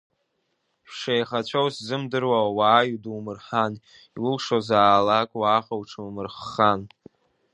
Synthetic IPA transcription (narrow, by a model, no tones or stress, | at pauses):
pʂajχat͡ɕʷʰowszɨmdɨrwawawaːjuduwmɨrħan | iwʊlʂozaːlakʷʼwaːχawʈ͡ʂʰɨmɨrχːan